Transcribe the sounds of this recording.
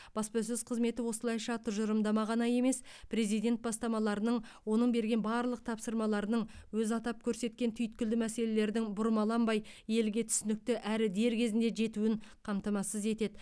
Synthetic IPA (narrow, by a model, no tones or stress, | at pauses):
b̥ɑspɑs̬ɵzqʰəzme̞t̪ɪwo̞səlˠɑjʃɑt̪ʰʊʒəɾəmd̪ɑmɑʁɑnɑje̞me̞spʰɾe̞zijd̪e̞nt̪̚bɑst̪ɑmɑlˠɑɾənəɴwo̞nəɴbe̞ɾɡʲe̞nbɑɾlˠəq̚t̪ʰɑpsəɾmɑlˠɑɾənəɴwɵzɑt̪ɑp̚kʲʰɵɾse̞t̪̚kʲe̞nt̪ʰʏjt̪̚kʲɪld̪ɪmæse̞le̞le̞ɾd̪ɪŋbʊɾmɑlˠɑmbɑjje̞lɡʲe̞t̪ʰʏ̥sɪnɪk̚t̪ɪʔæɾɪd̪e̞ɾkʲʰe̞zɪnd̪e̞ʒe̞t̪uɪɴqʰɑmt̪ɑmɑsəze̞t̪e̞d̪ɪ